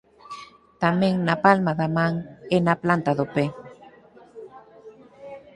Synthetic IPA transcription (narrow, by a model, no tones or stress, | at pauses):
t̪amẽŋnapalmaðamãŋenaplant̪aðope